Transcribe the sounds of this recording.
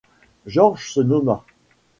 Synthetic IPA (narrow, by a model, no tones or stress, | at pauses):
ʒɔʁʒsənɔma